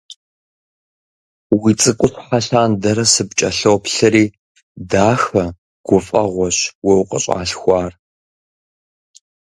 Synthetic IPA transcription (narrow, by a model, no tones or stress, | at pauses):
wit͡sʼɨkʷʼʊɕħaɬaːndɐɾɐsɨpt͡ʃʼɐɬowpɬɨɾiː | daːxɐ | ɡ̥ʷʊfʼɐʁʷɔɕwɔwqʼə̰ɕʼa̰ːɬxʷɑːr